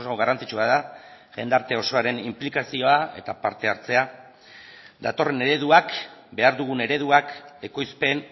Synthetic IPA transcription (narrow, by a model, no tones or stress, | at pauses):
saoɣarant͡sit͡ʃuaða | ʝe̞nd̪aɾt̪e̞o̞so̞aɾe̞nimplikasio̞ae̞̰t̪apaɾt̪e̞aɾt͡se̞a | d̪at̪o̞re̞ne̞ɾe̞ðuakbe̞aɾðuɣ̞une̞ɾe̞ð̞uake̞ko̞jspe̞n